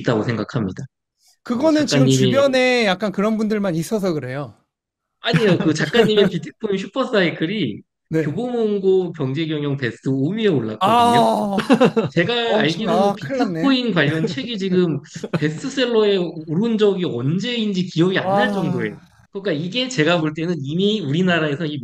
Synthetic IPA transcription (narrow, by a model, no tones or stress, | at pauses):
t͈aɡosʰe̞ŋɡakʰamɲida | kɯɡʌnɯnt͡ɕiɡɯmɲːit͡ɕmuibjʌne̞jak̚k͈ankɯɾʌnbundɯɭmanis͈ʌs̬ʰʌkɯɾe̞jo | aɲijokɯt͡ɕakk͈aɲːimepitʰɯ̥pʰoinɕʰupʰʌs͈aikʰɯɾi | ne̞joɡomoŋɡopjʌŋd͡ʑe̞ɡjʌŋjʌŋpe̞stʰɯomieoɭːa̰ka | t͡ɕe̞ɡaːɭɡiopiɯnʰoinkwaʎːʌnt͡ɕʰwe̞ɡid͡ʑiɡɯmpe̞sʰtʰɯs͈ʰe̞ɭːoe̞uɾund͡ʑʌɡiʌnd͡ʑe̞ind͡ʑikiʌɡia̰nːaɭt͡ɕ͈ʌŋdoe̞̰jo | kɯk͈aiɡe̞t͡ɕe̞ɡamoɭt͈e̞nɯnimiuɾinaɾae̞sʰʌi